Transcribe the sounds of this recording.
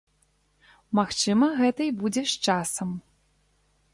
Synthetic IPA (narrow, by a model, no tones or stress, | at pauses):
maxt͡ʂɨmɐɣɛt̪ɐjbud͡zʲɛʂt͡ʂasɐm